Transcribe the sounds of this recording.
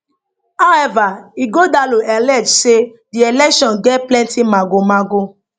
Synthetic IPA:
aɛvaiɡodaloʔɛlɛd͡ʒʃe | diɛlɛkʃɔ̃nɡɛplɛ̃ntimãɡomãɡo

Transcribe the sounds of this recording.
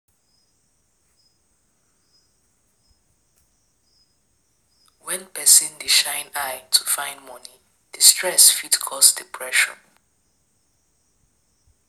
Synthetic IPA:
wɛ̃npʰɛsĩndiʃãjnajtʰufãj̃ndmɔni | d̥istʰɹɛsfitkʰɔsdipʰɹɛʃɔ̰

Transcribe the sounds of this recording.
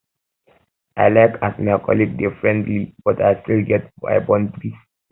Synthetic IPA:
ʔaɪlaɪkasmajkʰɔ̰liɡ̚difɹɛ̃ntlib̥ɔtastilɡɛt̚ba̰ɪbɔ̃ndɹis

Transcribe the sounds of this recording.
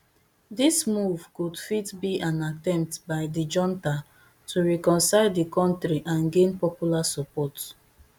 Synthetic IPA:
dismuvkudfitbiʔãnatɛ̃mp̚tbaɪdid͡ʒɔ̃nta | tʰuɹɛkɔ̃nsaɪdikɔ̃ntɹiʔãnɡẽnpɔpjulasɔpɔt

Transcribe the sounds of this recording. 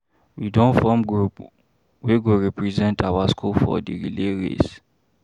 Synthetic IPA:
widɔ̃nfɔmɡɹup | wiɡoɹɛpɹizɛ̃ntawaskʰulfɔ̰dḭɹileɹḛs

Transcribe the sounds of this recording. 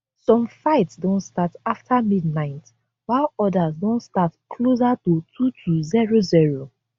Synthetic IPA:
sɔ̃mfaɪtsdõntstataftʰamidnaɪt | waɪlɔdazdõntstatkʰlozatutʰutʰuziɹoziɹo

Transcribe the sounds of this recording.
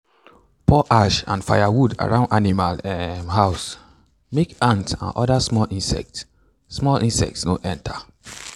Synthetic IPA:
pʰɔʔaʃã̰nfaɪjawuda̰ɹãʊ̃ndanimalɛɦaʊs | mekãntã̰nʔɔdasmɔlʔĩnsɛ̰k̚t | smɔlĩnsɛ̰k̚tsnoʔɛ̃ntʰa

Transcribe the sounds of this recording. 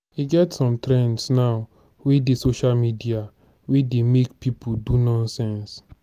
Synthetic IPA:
iɡɛtsɔ̃mtɾɛ̃ndsnaʊ | wedesoʃalmidia | wedemekpipʰudunɔ̃nsɛ̃ns

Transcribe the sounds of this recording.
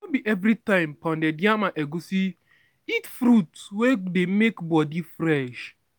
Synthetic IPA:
obiʔevɾitãɪ̃mpɔ̃ndedjamaʔeɡusi | itfɾutwedemekbɔdifɾɛʃ

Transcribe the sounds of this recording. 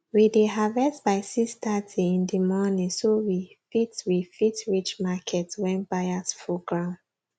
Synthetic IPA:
wideɦavɛstbaɪsistatʰiĩndimɔnĩsowifitwifitɹit͡ʃmakʰɛtwɛ̃nbajasfuɡɹãʊ̃nd

